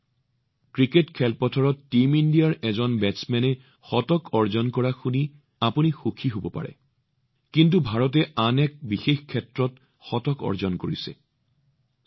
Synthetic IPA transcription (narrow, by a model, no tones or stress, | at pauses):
kɹiketkʰɛlpɔtʰɔɹɔtːimindijaɹɛzɔnbɛnsmɛnɛ | xɔtɔkʰɔɹzɔnkɔɹaxuni | apunixukʰiɦobɔpa̰ɹɛ̰ | kint̬ubʱaɹɔt̬ɛʔanɛk̚bixexkʰːɛtɹɔt | xɔtɔkɔ̰ɹzɔnkoɹisɛ̰